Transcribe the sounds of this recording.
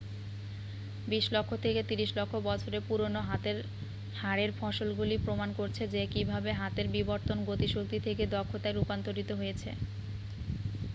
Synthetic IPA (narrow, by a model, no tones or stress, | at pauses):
biʃlokʰːot̪ʰeket̪iɾiʃlokʰːobɔt͡ɕʰoɾepuɾonoɦat̪eɾ | haɾeɾfɔʃolɡulipɾomankoɾt͡ɕʰed͡ʑekibʱabeɦat̪eɾbiboɾt̪onɡot̪iʃok̚t̪it̪ʰeked̪ɔkʰːot̪aeɾupant̪oɾit̪oɦojet͡ɕʰḛ